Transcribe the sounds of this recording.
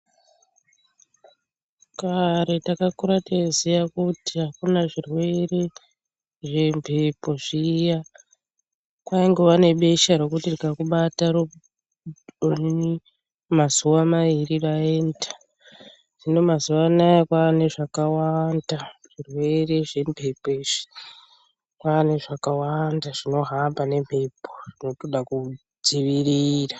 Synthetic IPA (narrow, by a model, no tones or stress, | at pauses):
kaɾe̞takakuɾatezijakutiɦakunaʐirwe̞ɾe̞ | ʐe̞mbʱepo̞ʐija | kwaiŋɡeʋane̞ɓe̞ʃaɾo̞kutirikakuɓatar | oni | mazuwamaʋiriraeːndḁ | ʐ̥ino̞mazuwanajakwaːne̞ʐakawandaʐ̥irwe̞re̞ʐe̞mpʰepeʐi̥ | kwaːne̞ʐakawandaʐino̞ɦambane̞mpe̞pʰoʐino̞toɗaku | d͡ziʋiriːra